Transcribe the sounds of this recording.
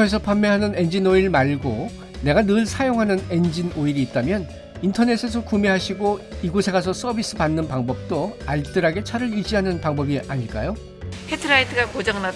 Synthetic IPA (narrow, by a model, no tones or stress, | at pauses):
ʌes̬ʰʌpʰamːeɦanɯne̞nd͡ʑinoiɯɭmaɭɡo | ne̞ɡanɯɭsʰajoŋɦanɯne̞nd͡ʑinoiɾiːt̚t͈amjʌn | intʰʌne̞sʰe̞sʰʌkumeɦaɕʰiɡoiɡosʰe̞ɡas̬ʰʌs͈ʌbis͈ʰɯpanːɯnpaŋbʌp̚t͈oaɭt͈ɯɾaɡe̞t͡ɕʰaɾɯɾid͡ʑiɦanɯnpaŋbʌbiaɲiɭk͈a̰jo | hetʰɯɾaitʰɯɡakod͡ʑʌŋna